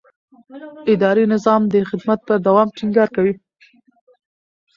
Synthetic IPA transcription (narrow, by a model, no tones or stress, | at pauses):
ɪd̪ɑɾinɪzɑmd̪əxɪd̪mat̪̚pəɾd̪awɑmʈiŋɡɑɾkawi